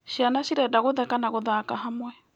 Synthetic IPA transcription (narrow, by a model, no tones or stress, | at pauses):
ʃianaʃiɾɛdaɣoðɛkanaɣoðakaɦamwɛ